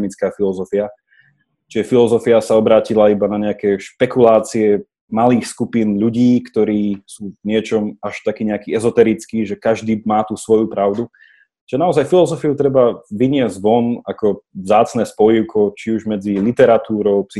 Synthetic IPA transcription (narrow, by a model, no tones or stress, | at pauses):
mit͡skaːfilɔzɔfia | t͡ʃiʒɛfilɔzɔfiasaɔbɾaːcilaibanaɲɛakɛʃpɛkulaːt͡siɛ | maliːxskupinʎuɟiːkt̪ɔɾiːsuːvɲɪɛt͡ʃɔmaʃt̪akiːɲɛakiːɛzɔt̪ɛɾit͡skiːʒɛkaʒd̪iːmaːt̪usʋɔjupɾaʊd̪u | t͡ʃʒɛnaɔzajfilɔzɔfiut̪ɾɛbaʋiɲɪɛzɟʋɔnakɔvzaːt͡snɛːspɔjiʊkʰɔt͡ʃiuʒmɛd͡zilit̪ɛɾat̪uːɾɔʊpsi